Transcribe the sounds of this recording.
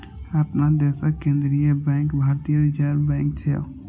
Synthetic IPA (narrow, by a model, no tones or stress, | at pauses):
apnad̪ɛːsakẽːnd̪ɾijebɛ̃ːŋkbʱaːɾt̪ijəɾid͡ʒaːɾbɛ̃ːŋk̚t͡ʃʰe